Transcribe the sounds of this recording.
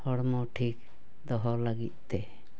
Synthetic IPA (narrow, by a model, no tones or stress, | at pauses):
hɔɽmɔʈʰik | d̪ɔɦɔlaɡḭt̪̚ˀt̪ɛ